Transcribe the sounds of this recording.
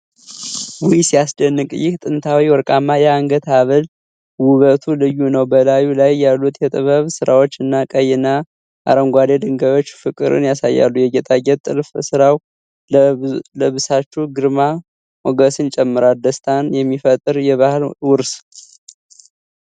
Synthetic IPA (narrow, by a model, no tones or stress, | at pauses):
bujisijasd̪ənːɨkʼjɪht̪ʼɨnt̪ʰawiwɔɾkʼamːajɛaŋɡət̪ʰaβəl | wuβət̪ʰulɨjːunəwbəlajulajːalːut̪ʰjɛt̪ʼɨβəβsɨɾawot͡ʃːɨnːakʼəjɛna | ʔa̰ɾəmɡʷad̪ed̪ɨŋɡəβo̞t͡ʃːfɨkʼɨ̰ɾɨ̰njasajːa̰lːujɛɡɛt̪ʼaɡɛt̪ʼːɨ̰lfsɨɾaw | ləβɨsat͡ʃːuɡɨɾma | moɡəsɨnt͡ʃʼɛmːɨɾald̪əst̪ʼʰanjɛmːifət̪ʼɨɾjɛβahɨlwʊɾs